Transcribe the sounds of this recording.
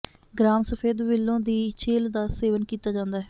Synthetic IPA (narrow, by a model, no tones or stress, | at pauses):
ɡɾaːmsəpʰeːd̪ʋɪlːõːd̪iːt͡ʃʰeːld̪aːseːʋənkiːt̪aːd͡ʒãːnd̪aːɦɛː